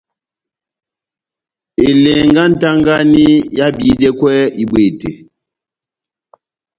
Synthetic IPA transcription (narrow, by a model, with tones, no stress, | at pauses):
e˨le˨ŋɡa˦n̩˨ta˦ŋɡa˦ni˦ja˦bi˨˦de˦kwɛ˦i˨ɓe˨te˨